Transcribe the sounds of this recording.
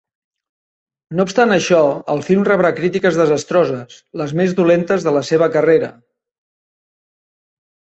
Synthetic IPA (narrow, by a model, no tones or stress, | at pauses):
noupst̪anəʃɔəlˠfilˠmrəβɾakɾit̪ikəzðəzəst̪ɾozəsləzmezðulent̪əzðələseβ̞əkəreɾə̰